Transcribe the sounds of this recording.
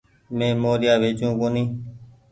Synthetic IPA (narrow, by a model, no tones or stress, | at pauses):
mẽːmoːɾjaːʋeːt͡ʃjũːkoːnĩː